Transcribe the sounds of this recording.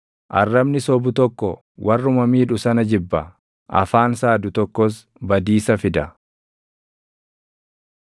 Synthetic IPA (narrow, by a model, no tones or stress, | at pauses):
ʔɐ̰rːɐbnɪsɔbʊt̪ɔkːɔ | wʔɐrːʊmɐmiːᶑʊsɐnɐd͡ʒɪbːɐ | ʔɐ̰faːnsaːd̪ʊt̪ɔkːɔs̬ | bɐd̪iːsɐfɪd̪ɐ